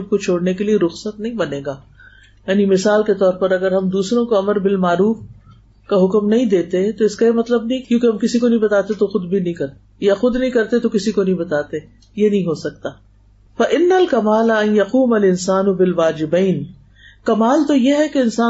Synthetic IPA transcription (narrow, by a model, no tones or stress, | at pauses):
b̚kot͡ʃʰoːɽnekelieɾʊxsət̪nɐɦĩbɐneːɡaː | jaːnimɪsaːlket̪ɔːɾpɐɾɐɡəɾɦɐmd̪uːsɾõkoɐməɾbɪlmaːɾuːf | kaɦʊkmnɐɦĩd̪eːt̪eɛ̃t̪oɪskajemɐt̪ləbnɐɦĩkjõːkeɦɐmkɪsikonɐɦĩbɐt̪aːt̪et̪oxʊd̪bʱinɐɦĩkɐɾ | jaxʊd̪nɐɦĩkɐɾt̪et̪okɪsikonɐ̃ɦĩbɐt̪aːt̪e | jenɐɦĩɦosɐk̚t̪aː | fɐʔɪnːɐlkɐmaːlaɐnjɐquːmɐlɪnsaːnʊbɪlʋaːd͡ʒɪbɛːn | kɐmaːlt̪ojeɦɛkeɪnsaː